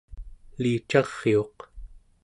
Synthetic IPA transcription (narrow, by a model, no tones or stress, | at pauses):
liːt͡ʃɑʁ̥ːio̞q